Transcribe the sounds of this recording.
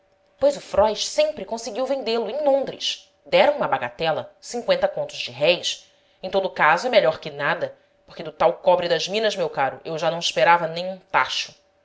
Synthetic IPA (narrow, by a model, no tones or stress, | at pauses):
pojzʊfɾɔjʃsẽmpɾɪkõsɪɡiwvẽnd̪elʊẽj̃lõnd̪ɾɪ̰ʃ | d̪ɛɾɐ̃w̃ũmɐbaɡat̪ɛlɐ̰sĩŋkwẽnt̪ɐkõnt̪ʊzd͡ʒɪɦɛjs | ẽj̃t̪od̪ʊkazʊɛmeʎɔɾkɪnad̪ɐ | poχkɪd̪ʊt̪awkɔbɾɪd̪ɐʒmĩnɐzmewkaɾʊ̰ʔewʒanɐ̃w̃ɪʃpeɾavɐnẽj̃ũt̪a̰ʃʊ̥